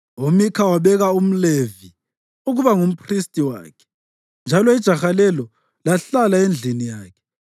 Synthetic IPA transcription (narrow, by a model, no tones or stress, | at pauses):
omikʰawaβɛɣaum̩levi | uɣuβaŋum̩pʰʼristʼiwa̰ːkʰɛ̥ | nd͡ʒʱalɔid̥ʒ̥ʱaxalɛlɔ | laɬalaend͡ɮʱinijaːkʰɛ̥